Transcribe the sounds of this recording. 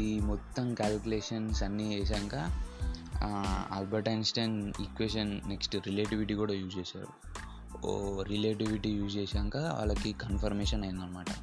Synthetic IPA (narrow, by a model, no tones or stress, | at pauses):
imɔt̪ːɐmkaːlkuleːʂɐnsɐnːieːs̬aːŋkaː | a̰ːlbɐɾʈɐjnsʈenḭkʋeːʃɐnneksʈɾileːʈiʋiʈiːkuːɽaːjuːd͡ʒeːsa̰ːɾṵ | ɾileːʈiʋiʈijuːd͡ʒt͡ʃeːsaːŋkaːʋa̰ːɭːɐkikɐnpɐɾmeːʂɐnɐjɐnd̪ɐnːɐmaːʈɐ